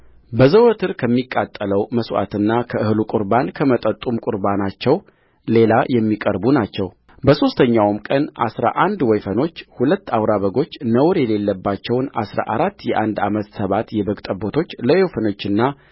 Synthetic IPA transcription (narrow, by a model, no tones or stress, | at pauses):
bəzəwot̪ʰɨɾkʰəmːikʼːat̪ʼːələwməswa̰t̪ɨnːakʰəɨhlukʼuɾbankʰəmət̪ʼət̪ʼːumkʼʊɾbanat͡ʃːɛw | le̞lajɛmːikʼəɾbunat͡ʃːɛw | bəso̞st̪ʰəɲːawmkʼənʔa̰sɾa̰ʔand̪wɔjfəno̞t͡ʃːhulət̪ːawɾaβəɡo̞t͡ʃːnəwɾjɛle̞lːəbːat͡ʃːɛwna̰sɾa̰ʔaɾat̪ːjɛʔand̪amət̪səβat̪jɛbəɡt̪ʼəbot̪ʰo̞t͡ʃːləjewfəno̞t͡ʃːɨnːa